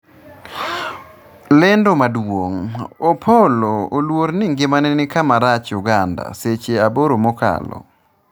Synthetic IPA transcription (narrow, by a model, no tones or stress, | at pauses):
lɛndomadwoŋopʰoloolwoɾnɪŋɡɪmanɛnɪkamaɾat͡ʃjuɡanda̰set͡ʃeaboɾomɔka̰lɔ̰